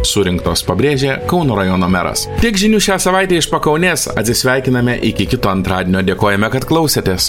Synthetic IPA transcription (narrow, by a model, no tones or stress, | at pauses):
sʊɾʲɪŋkt̪o̰ːspɐbʲɾʲeːʒʲeːkɐʊnoːɾɐjoːnoːmʲæ̰ɾɐ̰st̪ʲiɛkʒʲɪnʲuːʃʲæːsɐʋɑɪt̪ʲɛːɪʃpɐkɐʊnʲeːsɐ̰t̪ʲsʲɪsʲʋʲæˑɪkʲɪnɐmʲɛʔɪkʲɪkʲɪt̪oːɐnt̪ɾɑːd̪ʲenʲoːd̪ʲeɛkoːjɛmʲɛkɐt̪klˠɐʊsʲet̪ʲeːs